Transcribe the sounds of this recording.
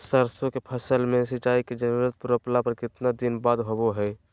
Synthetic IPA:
səɾsõkepʰəsəlmẽsɪt͡ʃaːiked͡ʒənuɾət̪̚pʊɾəplapəɾkɪt̪nad̪ɪnbaːd̪ɦoboɦɛː

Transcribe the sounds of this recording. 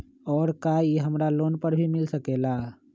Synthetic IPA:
ɔːɾkaːieɦɐmɾaloːnpəɾbʱimɪlsəkeːlaː

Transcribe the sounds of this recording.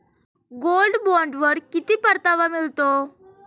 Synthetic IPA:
ɡolɖbɔɳɖʋəɾkit̪iːpəɾt̪aʋamilt̪o

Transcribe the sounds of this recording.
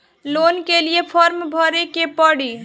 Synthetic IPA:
lonkelijepʰəɾmbʱəɾekepəɽi

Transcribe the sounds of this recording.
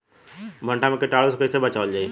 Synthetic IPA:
bʱə̃ɳʈamẽkeʈaːɽoskəisebɐt͡ʃaːld͡ʒaːi

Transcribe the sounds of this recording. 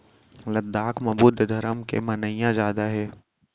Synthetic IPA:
lɐd̪ːaːkmɐbuːd̪ʱd̪ʱɐɾəmkḛmɐnəɪjãzaːd̪aɦɛː

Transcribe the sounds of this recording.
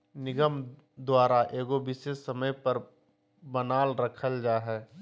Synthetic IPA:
nɪɡəm | d̪waːɾaʔeːɡoʋɪsesəməjpəɾ | bənaːlɾəkʰəld͡ʒaːɦɛː

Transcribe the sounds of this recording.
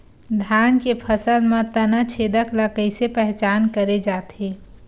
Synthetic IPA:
d̪ʱjankepʰəsəlmet̪ənət͡ʃʰed̪əkləkəɪsepɛɦt͡ʃankəɾed͡ʒat̪e

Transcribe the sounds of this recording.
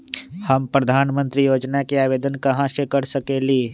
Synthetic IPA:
hɐmpɾəd̪ʱaːnmə̃nt̪ɾijoːd͡ʒnakiaːʋeːd̪ənkɐɦãsekɐɽsɐkeːliː

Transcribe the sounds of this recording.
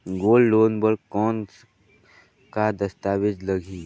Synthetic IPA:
ɡoːlːoːnbəɾɡkɔːns | kad̪ɐst̪aːwɪd͡ʒlɐɡʱiː

